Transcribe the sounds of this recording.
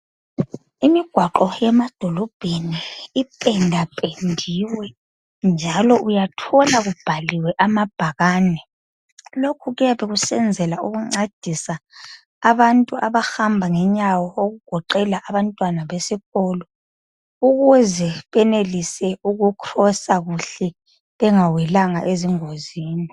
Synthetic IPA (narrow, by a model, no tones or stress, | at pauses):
imiɡ̥ʱwaǃɔjɛmad̥ʱɔlɔb̥ʱeniːpʼɛndʱapʼendʱiwɛ | nd͡ʒʱalɔʔujatʰɔlaɣub̥ʱaliwɛʔamab̥ʱaɣaːnɛ | lokʰuɣɛaβeɣusɛnd͡zʱɛlauɣuŋ͡ǀad̥ʱisaː | βantʼuaβahambʱaŋɛɲawɔoɣuɡ̥ʱɔǃɛlaʔaβantʼwanaβesiɣɔːlɔ | uɣuzɛβɛnelisɛuɣukʰrɔsaɣuɬɛ | βɛŋawɛlaŋa̰ʔeziŋoziːni